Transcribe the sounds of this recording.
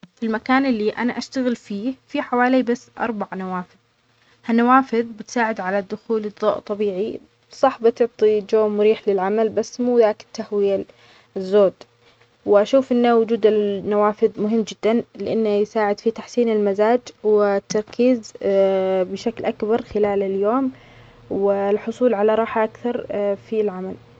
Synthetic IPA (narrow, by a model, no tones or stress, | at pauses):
filmakaːnɪlːiʔa̰naʔaʃt̪aɣɪlfiːfiħawaːlibasːʔɑ̰ɾˤbaʕnawaːfɪð | hanːawaːfɪðbɪt̪saːʕɪd̪ʕalad̪ːʊxuːlɨd̪ˤːo̰ːʔt̪ˤːɑbiːʕi | sˤɑħbɪt̪ʊʕt̪ˤid͡ʒoːmʊɾiːħlɪlʕamalbasːmuːðaːkɪ̥t̪ːahwɪja | zːoːd̪ | wɪʔaʃuːfʔɪnːawʊd͡ʒuːd̪ɪnːawaːfɪðmʊɦɪmːd͡ʒɪd̪ːanlɪʔanːajsaːʕɪd̪fit̪aħsiːnɪlmazaːd͡ʒwɪt̪ːɑɾˤkʰiːz | bɪʃaklʔakbɑɾˤxɪlaːlɪljoːm | wɪlħʊsˤuːlʕalaɾˤɑːħaʔakθɑɾˤfilʕamal